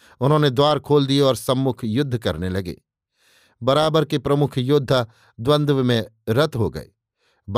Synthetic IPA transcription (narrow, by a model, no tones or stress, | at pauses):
ʊnɦõːned̪waːɾkʰoːld̪ieɔːɾsɐ̃mːʊkʰjʊd̪ʱːkɐɾnelɐɡḛː | bɐɾaːbəɾkepɾɐmʊkʰjʊd̪ʱːa | d̪wə̃nd̪ʋmẽ | ɾɐt̪ɦoɡɐ̰ḛː | b